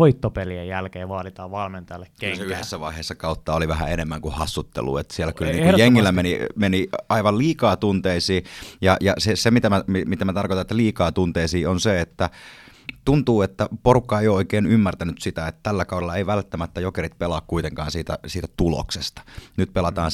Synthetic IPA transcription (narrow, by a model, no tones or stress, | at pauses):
ʋoit̪ːopeliejjælkeːʋɑːlit̪ɑːʋʋɑlment̪ɑjɑlːekkːylseyhesːæʋɑiheːsːɑkɑut̪ːɑoliʋæhæ̰enemːæŋkuhɑsːut̪ːḛlṵːḛt̪ːsielːækylniːŋkkjeŋːilːæmenimeniɑiʋɑlliːkɑːt̪unt̪eisiːjɑjɑsesemit̪æmæmimit̪æmæt̪ɑrkot̪ɑnet̪ːæliːkɑːt̪unt̪eisiːonseet̪ːæ | t̪unt̪uːet̪ːæporukːɑejooikeːnymːært̪ænyt̪sit̪æet̪ːt̪ælːækɑuɾelːɑeiʋælt̪ːæmæt̪ːæjokerit̪̚pelɑːkkuit̪eŋkɑːnsiːt̪æ̰siːt̪æt̪ulo̰ksest̪ɑ̥nyt̪̚pelɑt̪ɑːn